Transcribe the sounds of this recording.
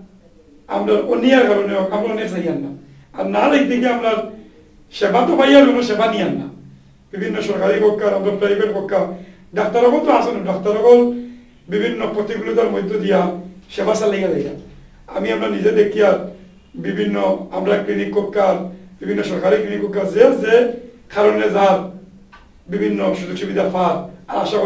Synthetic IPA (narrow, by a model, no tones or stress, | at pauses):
a̰mɾaɾonːijaɾkaɾoneɔkamonesaijanːa | a̰ɾnalek̚d̪ikeamɾaɾ | ʃebʱat̪obajaɾɡonoʃebʱanijanːa | b̥ibʱinːoʃɔɾkaɾikɔkːaɾamɾaɾpɾaibeʈkɔkːa | ɖak̚t̪aɾɔkɔlt̪oasonoɖak̚t̪aɾɔkɔl | bibʱinːɔpɾot̪iɡulit̪aɾmojd̪ʱːod̪ijaʃebasalejalejɡa | a̰miamɾanized̪ek̪̚ijaɾ | bibʱinːɔa̰mɾaɾklinikːɔkːaɾbibʱinːɔʃɔɾkaɾiklinikːɔkːaɾzeazekʰaɾonezaɾ | bibʱinːɔʃuzukʃubid̪aɾfaɾaɾaʃak